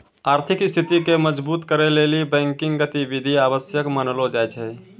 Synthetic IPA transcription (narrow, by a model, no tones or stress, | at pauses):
aːɾt̪ʰɪkɪst̪ʰit̪ikeməd͡ʒbuːt̪kəɾeleːlibɛ̃ːŋkɪ̃ŋɡɡət̪iʋid̪ʱiaːʋəsjəkmənlod͡ʒajt͡ʃʰɛ